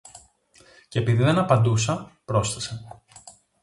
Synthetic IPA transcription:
ce̞piðiðe̞nɐpɐnd̪usɐpɾo̞sθese

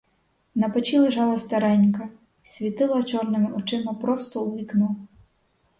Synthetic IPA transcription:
nɐpɔt͡ʃilˠeʒɑlˠɐst̪ɐɾɛnʲkɐ | sʲʋʲit̪ɪlˠɐt͡ʃɔrnɪmɪʔɔt͡ʃɪmɐpɾɔst̪ɔuliknu

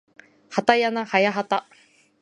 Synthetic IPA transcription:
hat̪ajanahajaɦat̪a

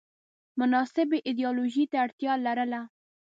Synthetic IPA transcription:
mʊnɑsɪbeʔɪd̪ijɑloʒit̪aːɽt̪jɑlaɾəla

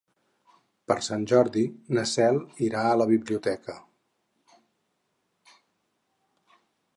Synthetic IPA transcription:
pəɾsanʲʒɔɾðinəsɛlˠiɾaələβiβliut̪ɛkə

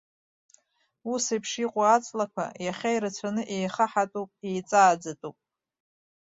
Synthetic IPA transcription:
usepʰʂiqʷʼaat͡sʼlakʷʰa̰jaχʲajɾat͡sʷʰanɨʔe̞jχaħatʼupʼejt͡sʼaːd͡zatʼupʼ

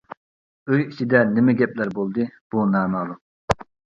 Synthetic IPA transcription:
øjit͡ʃʰid̪ɛnɪmɛɡʲɛplæɾbolˠd̪ɨb̥unɑːnɑlˠu

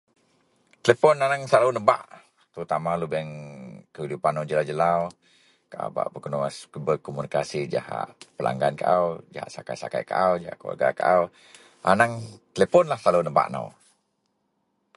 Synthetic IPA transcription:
t̪əlepɔnanaŋsaluwnəba̰ʔ | t̪əut̪amalubɛŋkəidupanːawd͡ʒəlawd͡ʒəlaw | kaʔa̰ba̰ʔbəkənuasbəkomunikasid͡ʒa̰ha̰ʔpəlʔa̰ŋɡankaʔawd͡ʒa̰ɦa̰ʔsakajsa̰ka̰jkaʔawd͡ʒaa̰ʔkəlwa̰rɡa̰kaʔaw | anaŋt̪əlepɔnlahsalunəba̰ʔna̰w

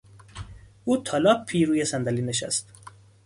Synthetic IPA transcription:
uːt̪ʰɒːlɒːppʰːiːɾuːjesænd̪æliːneʃæ̰st̪

